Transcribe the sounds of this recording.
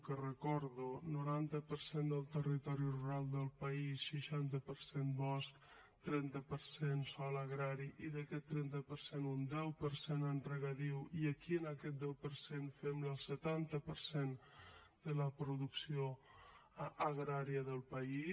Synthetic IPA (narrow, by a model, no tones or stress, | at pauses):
kərəkɔɾðunuɾant̪əpəɾsend̪əlˠt̪ərit̪ɔɾiruɾalˠd̪əlˠpəisʃiʃant̪əpəɾsenbɔsk | t̪ɾɛnt̪əpəɾsensɔləɣɾaɾiʔiðəkɛt̪ːɾɛnt̪əpəɾsenund̪ɛwpəɾsenənrəɣəðiwiəkiənəkɛt̪̚d̪ɛwpəɾsenfɛmləlˠsət̪ant̪əpəɾsen | d̪̥ələpɾuðuksio | əɣɾaɾiəðəlˠpəi